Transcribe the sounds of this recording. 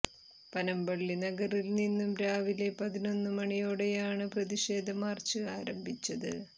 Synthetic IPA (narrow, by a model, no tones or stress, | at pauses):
pɐnɐmbɐɭːinɐɡɐrilninːumɾaːʋile̞pɐðino̞nːɨmɐɳijoːɽejaːɳɨprɐðiʂe̞ːd̪ʱɐmaːrt͡ɕɨaːɾɐmbʱit͡ɕːɐðɨ